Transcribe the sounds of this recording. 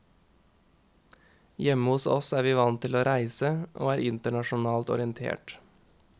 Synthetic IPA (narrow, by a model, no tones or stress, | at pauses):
jɛməhʊsɔ̰sæːʋiːʋɑnt̪ʰɪloːɾæɪsəʔo̰ːæːɾʔɪnt̪əɳɑʃʊnɑːlt̪ɔ̰ɾɪənt̪ʰḛːʈ